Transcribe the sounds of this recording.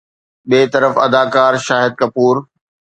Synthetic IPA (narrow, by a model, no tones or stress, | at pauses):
ɓeːt̪ɐɾəfɐ̰d̪aːkaːɾʃaːɦɪd̪̚kɐpuːɾ